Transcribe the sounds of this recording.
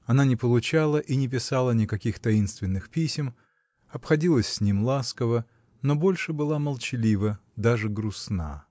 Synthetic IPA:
ɐnanʲɪpəlˠʊt͡ɕalˠəʔinʲɪp̬ʲɪsalˠənʲɪkɐkʲixt̪ɐinst̪vʲɪnːɨxpʲisʲɪm | ɐpxɐdʲilˠəsʲsʲnʲimlˠaskəvə | no̞bo̞lʲʂɨbɨlˠaməlˠt͡ɕɪlʲivəd̪aʐɨɡɾʊsna̰

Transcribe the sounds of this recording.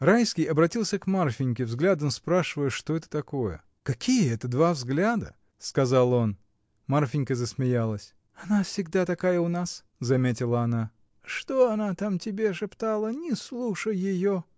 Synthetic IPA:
rajskʲɪjɐbɾɐtʲilˠsʲəkmarfʲɪnʲkʲɪvzɡlʲad̪əmspɾaʂɨvəjəʂt̪oɛt̪ə̥t̪ɐko̞jə̰ | kɐkʲijəɛt̪əd̪vavzɡlʲad̪ə | skɐzalˠo̞n | marfʲɪnʲkəzəsmʲɪjalˠəsʲ | ɐnafsʲɪɡd̪at̪ɐkajəʊnas | zɐmʲetʲɪlˠəɐna | ʂt̪oɐnat̪amtʲɪbʲeʂɨpt̪alˠənʲɪslˠuʂəjːɪjo

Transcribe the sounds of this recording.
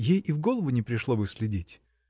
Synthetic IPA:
jejivɡo̞lˠəvʊnʲɪpɾʲɪʂlˠobɨsʲlʲɪdʲitʲ

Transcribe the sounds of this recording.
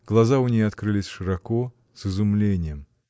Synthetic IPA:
ɡ̥lˠɐzaʊnʲejɐt̪kɾɨlʲɪsʲʂɨɾɐko | sɨzʊmlʲenʲɪjəm

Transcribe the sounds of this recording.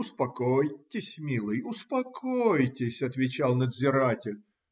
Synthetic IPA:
ʊspɐkojtʲːɪsʲmʲilˠɨjʊspɐkʰojtʲɪsʲɐt̪vʲɪt͡ɕalˠnəd̪zʲɪɾatʲɪlʲ

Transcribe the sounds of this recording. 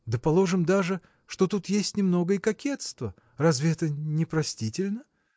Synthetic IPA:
d̪əpɐlˠo̞ʐɨmd̪aʐɨ | ʂt̪o̞t̪ut̪jesʲtʲnʲɪmno̞ɡəɪkɐkʲet̪st̪və | razvʲɪɛt̪ənʲɪpɾɐsʲtʲitʲɪlʲnə

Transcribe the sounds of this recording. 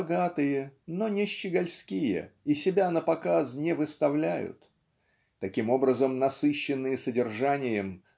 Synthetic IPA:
ɡat̪ɨjəno̞nʲɪɕːɪɡɐlʲskʲijə̰isʲɪbʲanəpɐkaznʲɪvɨst̪ɐvlʲæjʊ̰t̪ː | ɐkʲimo̞bɾəzəmnɐsɨɕːɪnːɨjəsədʲɪrʐanʲɪjəm

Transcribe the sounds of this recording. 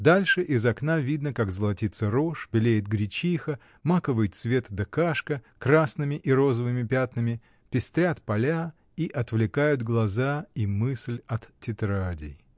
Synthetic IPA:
d̪alʲʂɨʔɪzɐknavʲid̪nəkakzəlˠɐtʲit̪səɾoʂbʲɪlʲejɪt̪̚ɡɾʲɪt͡ɕixə | makəvɨjt̪svʲe̞t̪ɨd̪ɐkaʂkəkɾasnɨmʲɪʔiɾo̞zəvɨmʲɪpʲat̪nɨmʲɪ | pʲɪsʲt̪ɾʲat̪pɐlʲa | iʔɐt̪vlʲɪkajʊt̪ɡlˠɐzaimɨsʲlʲɐt̪ːʲɪt̪ɾadʲɪ̰j

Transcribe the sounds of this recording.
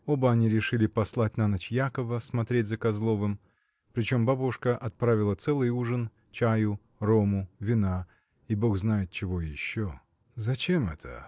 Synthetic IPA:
obəɐnʲiɾʲɪʂɨlʲɪpɐslˠat̚ʲnɐnɐt͡ɕjakəvəsmɐt̪ɾʲetʲzəkɐzlˠo̞vɨm | pɾʲɪt͡ɕo̞mbabuʂkəʔɐt̪̚pɾavʲɪlˠət̪sɛlˠɨjuʐɨn | t͡ɕajʊ | romʊvʲɪna | ibo̞xznajɪt̪̚t͡ɕɪvojɪɕːo | zɐt͡ɕe̞mɛt̪ʰə̰

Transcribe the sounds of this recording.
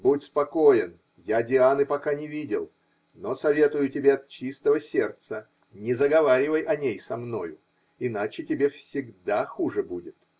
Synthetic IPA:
butʲspɐko̞jɪn | jadʲɪanɨpɐkanʲɪvʲidʲɪlˠ | nosɐvʲe̞t̪ʊjʊtʲɪbʲeɐt̪̚t͡ɕist̪əvəsʲe̞rt̪sə | nʲɪzəɡɐvaɾʲɪvəjʔɐnʲejsɐmno̞̰jʊ | ɪnat͡ɕɪtʲɪbʲe̞fsʲɪɡd̪axuʐɨbudʲɪt̪

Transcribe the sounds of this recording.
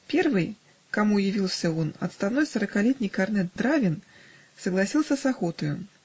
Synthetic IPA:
pʲɛrvɨj | kamujavʲilˠsʲɐwɔnɐ̰t̪st̪awnɔjsɐɾɐkalʲɛt̪ʲnʲijkarnɛt̪̚d̪ɾavʲin | sɐɣlˠasʲilˠsʲɐsaxɔt̪ɐju

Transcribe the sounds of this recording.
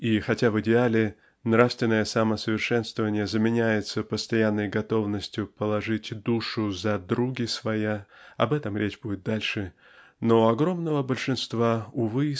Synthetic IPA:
ixɐtʲavɨdʲɪalʲɪ | nɾafst̪vʲɪnːəjəsaməsəvʲɪrʂɛnst̪vəvənʲɪjəzəmʲɪnʲæjɪt̪səpəst̪ɐjanːəjɡɐt̪o̞vnəsʲtʲjʊpəlˠɐʐɨtʲd̪uʂʊzɐd̪ɾuɡʲɪsvɐjaɐ̰bɛt̪əmɾʲet͡ɕbudʲɪt̪̚d̪alʲʂɨ | noɐɡɾo̞mnəvəbəlʲʂɨnst̪vaʊvɨ

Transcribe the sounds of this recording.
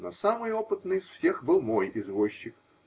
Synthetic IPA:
nosamɨjopɨt̪nɨjsfsʲe̞xbɨlˠmojɪzvoɕːɪk

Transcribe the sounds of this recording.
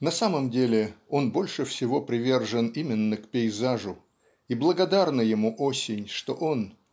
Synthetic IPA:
nɐsaməmdʲelʲɪo̞nbo̞lʲʂɨfsʲɪvo̞pɾʲɪvʲe̞rʐənimʲɪnːəkpʲɪɪzaʐʊ | iblˠəɡɐd̪arnəjɪmuʔosʲɪnʲʂt̪o̞̰ʔo̞n

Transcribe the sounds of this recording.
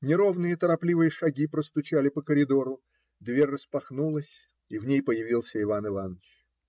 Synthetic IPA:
nʲɪɾo̞vnɨjət̪əɾɐplʲivɨjəʂɐɡʲipɾəst̪ʊt͡ɕalʲɪpəkəɾʲɪd̪o̞ɾʊ | d̪vʲerʲrːəspɐxnulˠəsʲ | ivnʲejpəjɪvʲilˠsʲəɪvanɨvanət͡ɕ

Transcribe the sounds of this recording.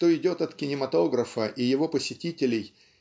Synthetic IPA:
t̪oɪdʲo̞t̪ɐt̪kʲɪnʲɪmɐt̪o̞ɡɾəfəʔɪjɪvo̞pəsʲɪtʲitʲɪlʲɪj

